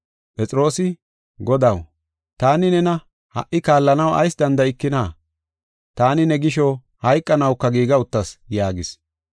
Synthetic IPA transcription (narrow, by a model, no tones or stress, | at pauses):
pʼɛt͡sʼɾo̞ːsɪ | ɡɔd̪ɐw | t̪aːnɪnɛnɐ | hɐ̰ʔɪkaːlːɐnɐwɐ̰jsd̪ɐnd̪ɐɪkːɪnaː | t̪aːnɪnɛɡɪʃɔ | hɐjkʼːɐnɐwkːɐɡiːɡɐʊt̪ːɐsjaːɡɪs